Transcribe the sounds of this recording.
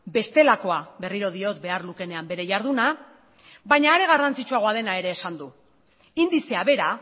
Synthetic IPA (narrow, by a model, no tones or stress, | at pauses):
be̞st̪e̞lako̞aβe̞riɾo̞ð̞io̞t̪̚be̞arluke̞ne̞ambe̞ɾe̞ʝaɾð̞una | βaɲaːɾe̞ɣ̞arant͡sit͡ʃuaɣo̞að̞e̞nae̞ɾe̞ːsand̪u | ind̪iseaβ̞e̞ɾa